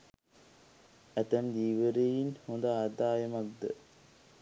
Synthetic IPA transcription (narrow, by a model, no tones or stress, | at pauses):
æt̪æmd̪iːʋəɾejinhond̪aːd̪aːjəmak̚d̪ə̰